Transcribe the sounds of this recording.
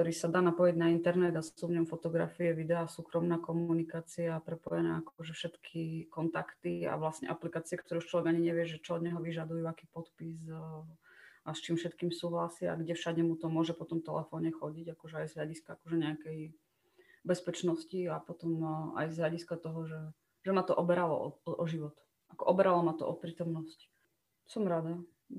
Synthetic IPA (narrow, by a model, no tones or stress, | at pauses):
k̚t̪ɔɾiːsad̪aːnapɔjɛɟnaint̪ɛɾnɛd̪assuvɲɔmfɔt̪ɔɡɾa̰fiɛʋid̪ɛasuːkɾɔmnaːkɔmunikaːt͡siaːpɾɛpɔjɛnɛ̰ːakɔʒɛfʃɛt̪kʰikɔnt̪akt̪ia̰ʋlasɲɛ̰ʔaplikaːt͡siɛkt̪ɔɾɛut͡ʃlɔʋɛɡaɲiɲɛʋɪɛʒɛt͡ʃɔɔd̪ɲɛɦɔʋiʒad̪ujuakiːpɔt̪pis | ast͡ʃiːmfʃɛt̪kiːmsuːɦlasɪaa̰ɡɟɛfʃaɟɛmut̪ɔmʊɔʒɛpɔt̪ɔmt̪ɛlɛfɔːɲɛxɔɟiɟakɔʒɛajzɦʎaɟiskaakɔʒɛɲɛakɛj | bɛspɛt͡ʃnɔsciapɔt̪ɔma̰jzɦʎaɟiskat̪ɔɦɔʒɛ | ʒɛmat̪ɔʔɔbɛɾalɔ̰ʔɔʔɔʒiʋɔt̪ | ʔakɔʔɔbɛɾalɔmat̪ɔ̰ʔɔpɾiːt̪ɔmnɔsc | sɔmɾad̪a